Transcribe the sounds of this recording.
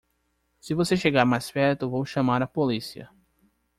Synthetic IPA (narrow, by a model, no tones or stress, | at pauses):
sɪvoseʃeɡaɾmajspɛɾt̪ʊvowʃɐ̃maɾɐpolisiɐ̰